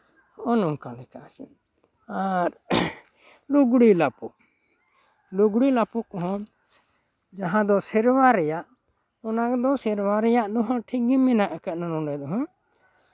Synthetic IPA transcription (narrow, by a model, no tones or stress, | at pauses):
ɔnɔŋkalɛkat͡ʃɛ̰ | aɾ | luɡɽilapuʔ | luɡɽilapukɔɦɔ̃ | d͡ʒaɦãd̪ɔsɛɾwaɾɛjaʔ | ɔnakd̪ɔsiɾwaɾɛjaʔd̪ɔɦɔ̃ʈʰiɡimɛnaʔkɛʔ̪nanɔ̃ɾɛd̪ɔɦɔ̃